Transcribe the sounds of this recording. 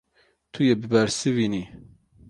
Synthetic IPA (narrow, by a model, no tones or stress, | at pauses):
t̪ʰujebɨbɛɾsɨviːni